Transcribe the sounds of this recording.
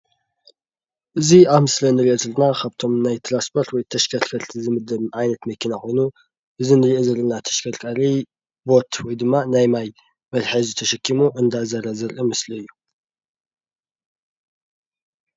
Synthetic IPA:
ʔɨziaβmɨslɐnɨɾiʔozɨlnakʰaβt̪ʰo̞mnajt̪ʰɾanspʰo̞ɾt̪wɔjt̪ʰɐʃkʰɐɾkʰɐɾt̪ʰzɨmɨd̪ɐβʕajnɐt̪mɐkʰinakʰo̞jnu | ʔɨzinɨɾiʔozɐlɨnat̪ʰɐ̥ʃkʰɐɾkʼɐɾi | bo̞t̪ʰwɔjd̪ɨmːanajmaj | mɐlħazɨt̪ʰɐʃɐkʰːimuʔɨnd̪azɐɾɐzɐɾʔɨmɨsliɨjːu

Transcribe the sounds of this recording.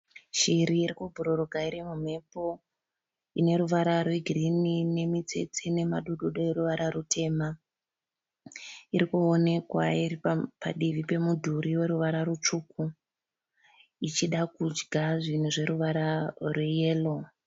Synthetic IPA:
ʃiɾiːɾikubʱuɾoroɡʱaiɾimum̤e̞po̞ | ine̞ɾuʋaɾarwe̞ɡʱrinine̞mit͡se̞̰t͡sene̞maɗoɗoɗoeɾuʋaɾarutʰe̞ːma | iɾikuone̞kwairipa̰ɗiʋipe̞mudʱuɾiwe̞ɾuʋaɾaɾut͡ʂuku | it͡ʃiɗakud͡ʒɡʱaʐin̤uʐe̞ɾuʋaɾarwejeːlo

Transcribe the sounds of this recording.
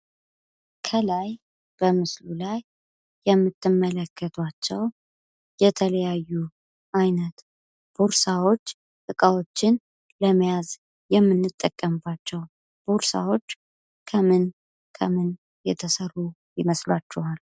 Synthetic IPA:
kʰəlaj | b̥əmɨslulajː | ɛmːɨt̪ʰːɨmːələkʰːət̪ʰwat͡ʃːɛw | jɛt̪ʰələjajːu | ʔajnət̪ | b̥oɾsawo̞t͡ʃː | t̪ʼɨkʼawo̞t͡ʃːɪn | ləmjaz | jɛmːɨnːɨt̪ʼːəkʼːəmbat͡ʃːɛw | b̥oɾsa̰wo̞t͡ʃː | kʰəmɨn | kʰəmɨn | jɛt̪ʰəsərːu | jɪməslat͡ʃːɛhal

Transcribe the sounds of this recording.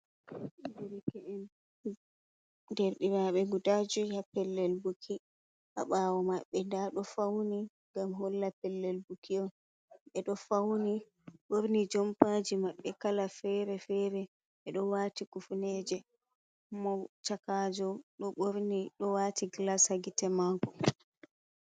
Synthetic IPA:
diɾkɛʔɛn | dɛɾɗiɾaɓɛɡudad͡ʒɔhapɛlːɛlbukʰi | ʔa̰ɓawɔmaɓːɛndaɗɔfawni | ŋɡamɦɔlːapɛlːɛlbukʰiɔn | ɓɛɗɔfawni | ɓoɾnid͡ʒɔmpaːd͡ʒimaɓːɛkalafɛɾɛfɛɾɛ | ɓɛɗɔwaːtikufnɛːd͡ʒɛ | mɔt͡ʃakaːd͡ʒɔɗɔɓoɾniɗɔwaːtʰiɡlashaɡitɛmakɔ

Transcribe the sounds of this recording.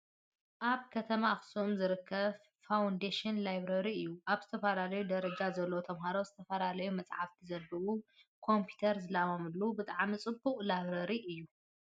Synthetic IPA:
ʔaβkʰɐt̪ʰɐmaxsomzɨɾɨkʰːɐβ | fawund̪eʃɪnlajβɾɐɾiɨjːuʔaβzɨt̪ʰɐfɐlalɐjud̪ɐɾɐd͡ʒazɐlːowt̪ʰɐmɦaɾozɨt̪ʰɐfɐlalɐjumɐt͡sʼʕaft̪ʰizɐlːɐwukʰo̞mpʰi̥t̪ʰɐɾzɨlamomɨlːubɨt̪ʼaʕmit͡sʼɨbːuqʼlajβɾɐɾiʔɨjːu

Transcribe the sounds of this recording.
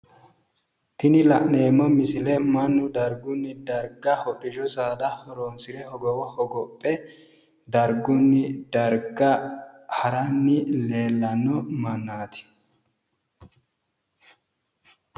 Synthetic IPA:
t̪ɪnɪlɐʔne̞ːmːɔmɪsɪlɛmɐnːʊd̪ɐɾɡʊnːɪd̪ɐɾɡɐhɔɗɪd͡ʒɔsaːd̪ɐhɔɾoːnsɪɾɛhɔɡɔwɔhɔɡɔpʼːɛ | d̪ɐɾɡʊnːɪd̪̥ɐɾɡɐhɐɾɐnːɪle̞ːlːɐnːɔmɐnːaːt̪ɪ̥

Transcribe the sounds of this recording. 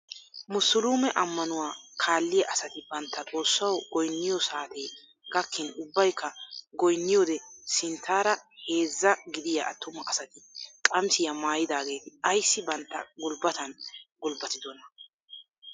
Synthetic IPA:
mʊsʊluːmɛʔɐmːɐnʊwaːkʰaːlːɪjɐʔɐsɐt̪ɪbɐnt̪ːɐt͡sʼo̞ːsːɐwɡɔjnːɪjɔsaːt̪eː | ɡ̥ɐkʰːɪnʊbːɐjkʰːɐɡɔjnːɪjɔːd̪ɛsɪnt̪ʰːaːɾɐhe̞ːzːɐɡɪd̪ɪjɐʔɐt̪ːʊmɐʔɐsɐt̪ɪkʼɐmsɪjɐmaːjɪd̪aːɡe̞ːt̪ɪɐjsːɪbɐnt̪ːɐ̰ɡʊlbɐt̪ɐnɡʊlbɐt̪ɪd̪ɔnɐ

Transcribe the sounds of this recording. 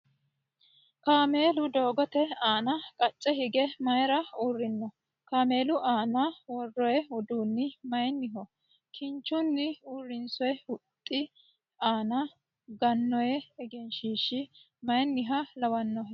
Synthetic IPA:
kaːme̞ːlʊd̪o̞ːɡɔt̪ɛaːnɐkʼɐt͡ʃʼːɛɦɪɡɛmɐjɾɐuːrːɪnːɔ | kaːme̞ːlʊʔaːnɐwɔrːɔjɛʊd̪uːnːɪmɐjnːɪɦɔ | kʰɪnt͡ʃːʊnːɪuːrːɪnsɔjɛʊt̪ʼːɪ | aːnɐ | ɡɐnːɔjɛɛɡɛnʃiːʃɪ | mɐjnːɪɦɐlɐwɐnːɔɦɛ

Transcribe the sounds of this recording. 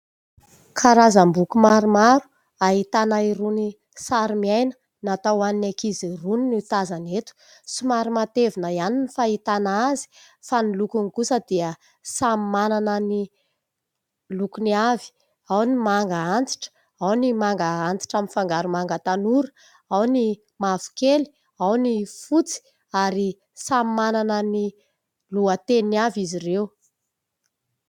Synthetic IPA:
kʰaɾazambukumaɾumaɾu̥ | aɦit̪anaiɾuni | saɾimiajnə̥ | nat̪awaninakiziruninit̪azanet̪u̥simaɾumat̪evinəianinifait̪anaazi̥ | fanilukunikusəd̪̥iə | samimananəni | lukuniavi̥ | awnimaŋɡaant͡si̥ʈ͡ʂə̥ | awnimaŋɡəant͡si̥ʈ͡ʂaminfaŋɡaɾumaŋɡət̪anuɾə̥ | awni | mavu̥keli̥ | awnifut͡si̥ | aɾi | sammananəni | luət̪eniniavizirew

